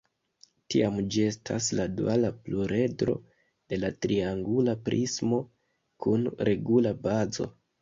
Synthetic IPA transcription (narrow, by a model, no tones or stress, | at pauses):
tiamd͡ʒie̞stʰasladualapluɾe̞dɾo̞̰ | d̥e̞latɾiaŋɡulapɾʔismo̞ | kunɾe̞ɡulabazo̞̰